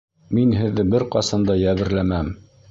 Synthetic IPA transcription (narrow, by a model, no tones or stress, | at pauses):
minɦɘ̆ðːɘbɘɾqɑsɑnd̪ɑjæβɘ̆ɾlæmæm